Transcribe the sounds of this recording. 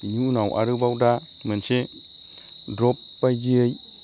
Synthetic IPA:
ɲunawʔa̰ɾɯbawda | mense | dɾɔpːajɡiəj

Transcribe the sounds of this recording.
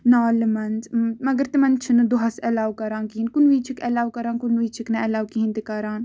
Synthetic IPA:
naːlmɐnzmɐɡəɾt̪imɐnt͡ʃʰinɐd̪uɦɐsɛlaːwkɐɾãːnkiɦinkunʋiːt͡ʃʰikɛlaːwkɐɾaːnkunʋiːt͡ʃʰiknɐɛlaːwkiɦint̪ikɐɾaːn

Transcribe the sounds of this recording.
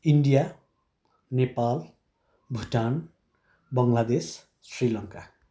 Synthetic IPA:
iɳɖija | nepal | bʱuʈan | bʌŋlad̪es | srilʌŋka

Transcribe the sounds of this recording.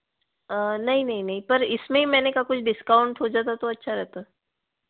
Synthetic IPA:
ənɐɦĩnɐɦĩnɐɦĩpɐɾɪsmẽɦimɛːnekakʊt͡ʃʰɖɪskaːʊ̃ɳʈɦod͡ʒaːt̪at̪oɐtːʃʰaɾɛɦt̪a

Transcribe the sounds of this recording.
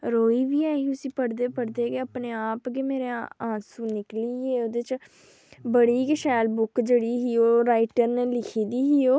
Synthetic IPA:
ɾoːiːʋiːaːiʊsĩːpəɽd̪eːpəɽd̪eːɡeːəpneːaːpɡeːmeːɾeːãːsũːnɪkliːeːoːd̪et͡ʃ | bəɽiːkəʃɛːlbʊkd͡ʒeɽiːɦiːoːɾaːɪʈəɾneːlɪkʰiːd̪iːɦiːoː

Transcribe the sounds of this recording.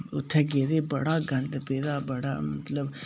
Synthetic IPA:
ʊt̪ʰːeɡeːd̪eːbɐɽaːɡʱɐɳt̪peːd̪aːbɐɽa̰ːmɐt̪ləb

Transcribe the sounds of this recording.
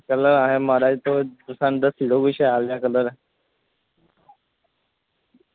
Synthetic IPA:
kələɾaɦemaɾat̪od̪usand̪əsiɽoɡuɕealjakələɾ

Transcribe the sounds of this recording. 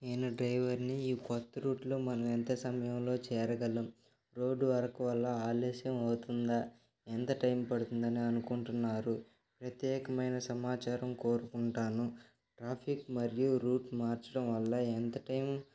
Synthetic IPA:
eːnɐɖɾɐjʋɐɾniiːkɔt̪ːɐɾuːʈloːmɐnɐment̪esɐmɐjɐmlo̞ːt͡ʃɛːɾɐɡɐlːɐm | ɾo̞ːɖuʋɐɾɐkɐʋɐlːɐaːlɛːʃjɐmɐwt̪und̪a | ent̪ɐʈɐjmpɐɽut̪und̪ɐniɐnukuɳʈunːaːɾu | pɾɐt̪jɛːkɐmɐjnɐsɐmaːt͡ʃaːɾɐmko̞ːɾukuɳʈaːnu | ʈɾaːpʰikmɐɾijuɾuːʈmaːɾt͡ʃɐɽɐmʋɐlːɐent̪ɐʈɐjm

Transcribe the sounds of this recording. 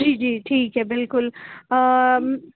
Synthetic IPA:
iːd͡ʒiːʈʰiːkɦɛbɪlkʊl

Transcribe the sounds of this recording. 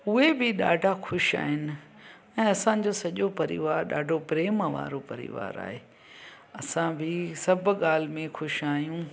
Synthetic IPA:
ʊɦebʱɪɗa̰ːɖʱaxʊʃa̰ːɦɪnɪ̆ | ɛ̃ːɐsãd͡ʑoːsɐʄopɐɾḭʋaːɾɗa̰ːɖʱopɾeːmʋa̰ːɾopɐɾḭʋa̰ːɾa̰ːɦeː | ɐsãbʱɪsɐbʱʊɠaːl̤ɪmẽxʊʃaːijũː

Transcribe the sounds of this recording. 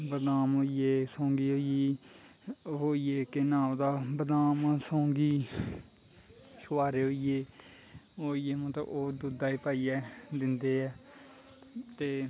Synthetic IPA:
bəd̪aːmɦoːieːsõːŋɡiːɦoːiiː | ɦoːijeːkenaːd̪aːbəd̪aːmãːsõːŋɡiː | sʊʋaːɾeːɦoːieː | oːijeːmə̃ːt̪ə̰oːd̪ud̪aːiːpaːijɛːd̪ɪnd̪eːɛː | t̪eː

